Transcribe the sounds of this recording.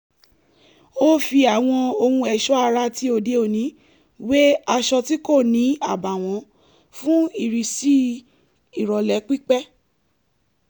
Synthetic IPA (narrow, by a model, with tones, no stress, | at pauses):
o˦fi˧a˨w̃ɔ̃˧o˧hũ˧ɛ˨ʃɔ˦a˧ɾa˧ti˨˦o˧˨de˧o˨nĩ˨˦ | we˦a˧ʃɔ˧ti˦ko˦˨nĩ˨˦a˦˨ba˨w̃ɔ̃˨˦ | fũ˦i˦˨ɾi˨si˦ | i˨ɾɔ˨lɛ˨˦k͡pi˦k͡pɛ˦